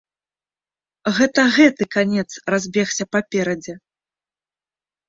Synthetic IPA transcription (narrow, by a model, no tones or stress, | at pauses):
ɣɛt̪ɐɣɛt̪ɨkanʲɛt̪srazʲbʲɛxsʲɐpapʲɛɾɐd͡zʲɛ